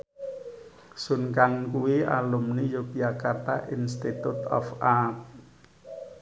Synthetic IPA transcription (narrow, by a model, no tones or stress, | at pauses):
sunkaŋkuwia̰lumnijopijakart̪a̰ʔinst̪it̪ut̪ɔ̰fak